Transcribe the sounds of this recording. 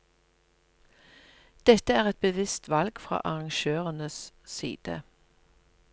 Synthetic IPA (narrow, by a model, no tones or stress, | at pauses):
d̪̥ɛt̪əæːʁɛt̪̚bəʋɪst̪ʋɑlɡ̥fʁɑ̰ːʔɑʁɑŋʃøːʁənəssḭːd̪̥ə̰